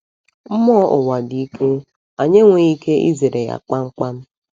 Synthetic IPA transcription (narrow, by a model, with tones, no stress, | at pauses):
m̩˦mɔ˦ʔʊ˨wa˨di˦i˦kʰe˦ | a˨ɲe˦ŋʷe˨i˦ke˦ʔḭ˦ze˨ɾe˨ja̰˨k͡pa˦ŋ͡m̩˦k͡pa˦m̩˦